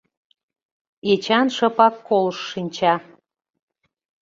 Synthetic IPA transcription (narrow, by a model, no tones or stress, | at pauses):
et͡ɕɑnʃɤ̆pɑkːoləʃːinʲt͡ɕɑ